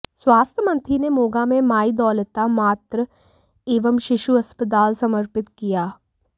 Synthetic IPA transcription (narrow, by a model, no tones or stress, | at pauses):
swaːst̪ʰjəmɐ̃nt̪ʰinemoːɡamẽmaːid̪ɔːlət̪amaːt̪ɾə | eːʋəmʃɪʃuɐspət̪̬aːlsɐməɾpɪt̪kijaː